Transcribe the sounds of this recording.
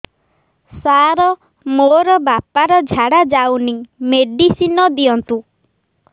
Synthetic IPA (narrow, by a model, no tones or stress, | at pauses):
saɾɔ | moɾɔbapaɾɔd͡ʒʱaɽad͡ʒawnimeɖisinɔd̪iɔnt̪u